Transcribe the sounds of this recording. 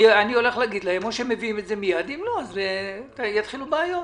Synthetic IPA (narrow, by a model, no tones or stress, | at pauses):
anio̞le̞χlaɡid̪lahe̞moʃemːe̞viime̞tze̞mijad̪imloazvetjat̪χilubeajot